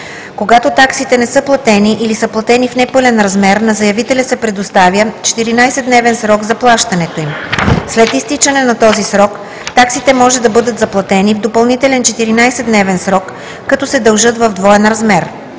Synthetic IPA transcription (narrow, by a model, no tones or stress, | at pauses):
koɡat̪ot̪aksit̪ɛnɛsɤplˠɐt̪ɛniʔilisɤplˠɐt̪ɛnifnɛpɤlʲɛnɾɐzmɛɾnɐzɐjɐvit̪ɛlʲəsɛpɾɛd̪ost̪avjət͡ʃɛ̥t̪iɾinajsɛd̪nɛvɛnsɾɔɡzɐplˠaʃt̪ɐnɛt̪oimslɛt̪ist̪it͡ʃɐnɛnɐt̪ɔzisɾɔk | t̪aksit̪ɛmɔʒɛd̪ɐbɤd̪ɤt̪zɐplˠɐt̪ɛnivd̪opɐlˠnit̪ɛlɛnt͡ʃɛt̪iɾinajsɛd̪nɛvɛnsɾɔkː | ɐt̪ɔsɛd̪ɐlˠʒɤt̪vɐvd̪vɔɛnɾɐzmɛɾ